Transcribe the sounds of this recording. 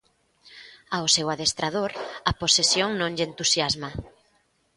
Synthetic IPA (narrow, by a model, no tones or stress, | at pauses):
awsewaðest̪ɾað̞oɾaposesjoŋnõŋʎent̪usjazma